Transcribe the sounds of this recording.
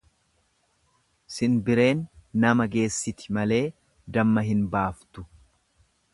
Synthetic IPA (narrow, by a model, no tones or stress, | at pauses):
sɪnbɪɾe̞ːnːɐmɐɡe̞ːsːɪt̪ɪ̥mɐle̞ː | d̪ɐmːɐɦɪnbaːft̪ʊ̥